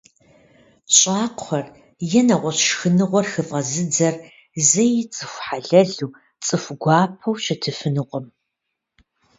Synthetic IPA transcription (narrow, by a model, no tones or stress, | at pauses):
t͡ʃʼaːqʷχɐr | jɛnɐʁʷɔɕxɨnɨʁʷɔrxɨfʼɐzɨd͡zɐr | zɐjɪt͡sʼɨxʷħaɮɐɮuː | t͡sʼɨfʷɡʷɑːpʰɐwɕɪtʰɨfɨnɨqʷɔm